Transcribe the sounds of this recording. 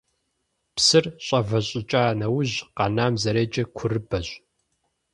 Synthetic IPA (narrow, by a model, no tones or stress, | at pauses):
psɨrɕʼɐvɐɕʼɪt͡ʃʼaːnɐwʊʑqɑnaːmzɐɾeːd͡ʒʼɐkʷʰʊrɨbɐʑ